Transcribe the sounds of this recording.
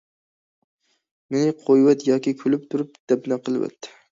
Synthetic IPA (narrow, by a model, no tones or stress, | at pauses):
menɪqʰojwɛt̪jɑːkʲikʲʰylyp̚t̪ʰuɾyp̚d̪̥ɛpnɛqʰəlˠwɛ̰t̪ʰːɪ̥